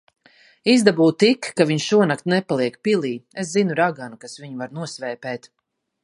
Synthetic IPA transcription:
izd̪abuːt̪ikːaviɲʃuɔnakt̪nɛpalˠiɛkpilˠiːeszinuɾaɡanukasviɲuvaɾnuɔsvɛːpɛːt̪

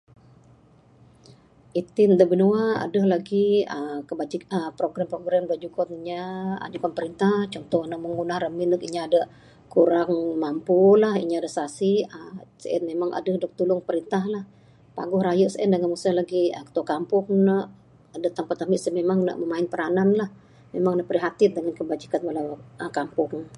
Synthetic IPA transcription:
ʔit̪ind̪əbənuaa̰dəhlaɡiəkəbad͡ʒikəpɾoɡɾampɾoɡɾambad͡ʒukɔt̪iɲaa̰d͡ʒukanpəɾint̪aht͡ʃɔnt̪ɔhnəʔməŋunahrəminəkiɲaadə | kuɾaŋmampulahiɲadəsasiəsəɛ̰nmemaŋʔa̰dəhdək̚t̪ulʊŋpəɾint̪ahlah | pa̰ɡʊhɾajəʔsəʔɛndaŋamusahlaɡiəkə̥t̪uakampʊŋnəʔ | dat̪aŋpərt̪amiʔsəmemaŋnə̰ʔməmaɪnpəɾananlah | memaŋnəʔpəɾiɦat̪ɪt̪̚dəŋankəbad͡ʒikanbalawəkampʊŋ

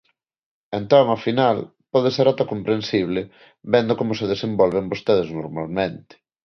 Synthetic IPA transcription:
ent̪ɔŋafinal | pɔðeseɾat̪akompɾensiβ̞lɪ | βɛnd̪okomʊseðesembɔlβeŋbost̪eðeznoɾmalmẽnt̪ɪ̥

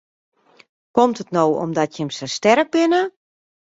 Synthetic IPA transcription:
kɔmtətnowɔ̰mdɔtjəmsəstɛɾək̚bɪnə

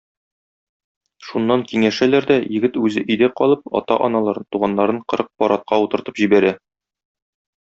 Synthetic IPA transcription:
ʃunːɑŋkiŋæʃælæɾd̪æjɘ̆ɡɘt̪ʉzɘʔɵ̆jd̪æqɒlˠɤp̚ɒ̰t̪ɑʔɒnɑlˠɑɾɤnt̪uʁɑnːɑɾɤɴqɤ̆ɾɤq̚pɒɾɑt̪̚qɑut̪ɤ̆ɾt̪ɤ̥pʑibæɾæ

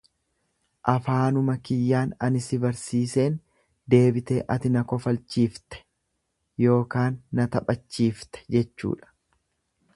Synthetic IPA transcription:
ʔɐfaːnʊmɐkɪjːaːnɐnɪsɪbɐɾsiːse̞ːn | d̪e̞ːbɪt̪e̞̰ːʔɐt̪ɪnɐkɔfɐlt͡ʃːiːft̪ɛ̥ | jo̞ːkaːnːɐt̪ɐpʼɐt͡ʃːiːft̪ɛ̥d͡ʒɛt͡ʃːṵːᶑɐ̥

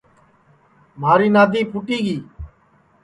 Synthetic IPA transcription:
maːɾiːnaːd̪ʱiːpʰʊʈiːɡiː

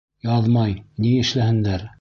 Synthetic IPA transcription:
jɑðmɑjniɘ̆ʃlæhɘ̆nd̪æɾ

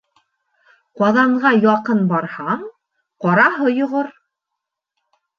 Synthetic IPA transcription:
qɑðɑɴʁɑjɑqɤnbɑɾhɑɴ | qɑɾɑɦɤjŏʁoɾ

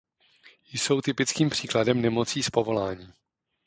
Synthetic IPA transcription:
jso̞wt̪ɪpɪt͡skiːmpr̝̥iːkladɛmnɛmo̞t͡siːspo̞vo̞laːɲiː

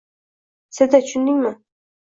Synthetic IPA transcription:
sɪd̪at͡ʃʰʊnd̪ɪŋʲmɪ

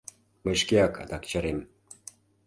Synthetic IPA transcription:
məʃkeɑkɑ̰d̪ɑkt͡ɕɑɾem

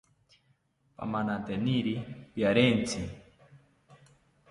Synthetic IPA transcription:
pa̰manat̪ɛniɾipjaɾɛnt͡sʰi

